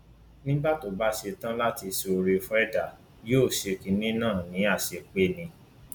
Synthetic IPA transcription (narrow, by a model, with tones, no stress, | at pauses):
nĩ˦ba˦˨to˨ba˨˦ʃe˧tã˦la˦ti˧so˧ɾi˧fɾɛ˦da˦˨ | joː˦˨ʃe˧ki˧nĩ˦nãː˦˨nĩ˨˦a˦˨ʃe˧˨k͡pe˦nĩ˧